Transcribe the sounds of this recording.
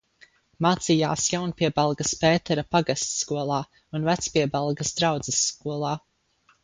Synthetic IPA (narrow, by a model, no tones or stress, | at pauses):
maːt̪sija̰ːsjawnpiɛbalˠɡɐspɛːt̪ɛɾapaɡast̪skuɔlˠaː | unvæt̪spiɛbɛlˠɡɐsd̪ɾawd̪z̥ɛsːkuɔlˠaː